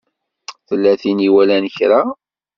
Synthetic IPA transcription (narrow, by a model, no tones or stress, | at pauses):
θəlːæθiniwælænəçɾa